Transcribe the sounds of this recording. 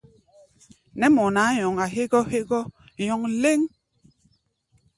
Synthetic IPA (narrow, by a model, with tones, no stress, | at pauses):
nɛ˦mɔ˨naː˨˦jɔ˨ŋa˨ɦe˦ʔɡɔ˦he˦ʔɡɔ˦ | jɔ˨ŋle˦ŋ